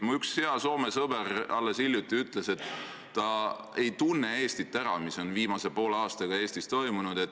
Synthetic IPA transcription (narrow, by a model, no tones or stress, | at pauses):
muyksheɑso̞ːme̞sɤbe̞ɾɑlːesilʲjut̪ːˑiyt̪ˑle̞se̞t̪ː | ɑ | e̞jt̪unːe̞e̞ːst̪it̪ːˑæɾɑmiso̞nviːmɑse̞po̞ːlɑːst̪ɑɡ̥ɑe̞ːst̪ist̪o̞jmunud̪̥e̞t̪ːˑ